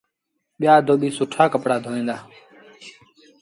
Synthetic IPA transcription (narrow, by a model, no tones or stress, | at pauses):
ɓɪjaːd̪oːɓiːsʊʈʰaːkəpɽaːd̪ʱoːʋĩːnd̪aː